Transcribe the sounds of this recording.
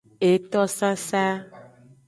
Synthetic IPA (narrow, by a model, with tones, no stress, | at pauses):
e˨t̪ɔ˦sa˦sa˦